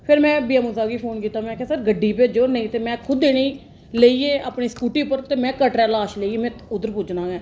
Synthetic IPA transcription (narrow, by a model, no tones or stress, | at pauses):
pʰɪɾmɛ̃ːbiːaːmuːzaːɡiːpʰoːnkiːt̪aːmɛ̃ːkʰeːsəɾɡəɖiːped͡ʒoːnəĩːt̪eːmɛ̃ːkʰʊd̪eːniː | leiːeːaːpɳiːskuːʈiːʊpːəɾt̪eːmɛ̃ːkəʈɾɛːlaːʃleiːeːmɛ̃ːʊd̪əɾpʊd͡ʒnãːɡɛ̃ː